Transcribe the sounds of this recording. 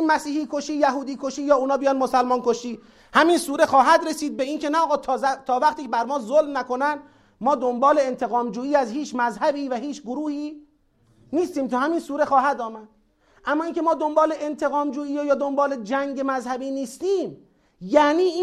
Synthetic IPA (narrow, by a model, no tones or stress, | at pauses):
mæsiːhiːkʰoʃiːjæɦuːd̪iːkʰoʃiːjɒːuːnɒːbijɒnmosælmɒːnkoʃiː | hæminsuːɾe̞xɒːɦæd̪ɾesiːd̪̚beiːnkʰenæɔːɣɒːt̪ʰːt̪ʰɒːvæqt̪iːcʰebæɾmɒːzolmnæko̞næn | mɒːd̪ombɒːle̞ent̪ʰe̞ɣɒːmd͡ʒuːiːæzhiːt͡ʃʰmæzhæbiːvæɦiːt͡ʃʰɡoɾuːhiː | niːst̪iːmt̪ʰuhæmiːnsuːɾe̞xɒːhæd̪ɒːmæd̪̥̚ | ʔæmːɒːiːŋcʲʰe̞mɒːd̪o̞mbɒːleʔent̪ʰe̞ɣɒːmd͡ʒuːiːjejɒːd̪ombɒːled͡ʒæŋɟe̞mæzhæbiːniːst̪iːm | jæːniːiː